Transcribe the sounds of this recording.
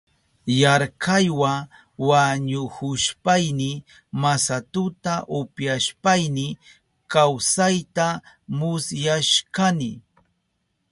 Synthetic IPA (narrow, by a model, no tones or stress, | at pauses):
jaɾkajwa | waɲʊhʊʃpajnɪ | masat̪ʊt̪aʔʊpjaʃpajnɪ | kawsajt̪a | mʊsjaʃkanɪ